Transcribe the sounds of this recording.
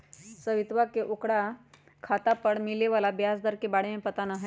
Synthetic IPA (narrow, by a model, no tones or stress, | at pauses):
səʋit̪ʋakeʔukɽa | kʰat̪apəɽmileʋalabjasd̪əɾkebaɽ̤emẽpət̪anəɦə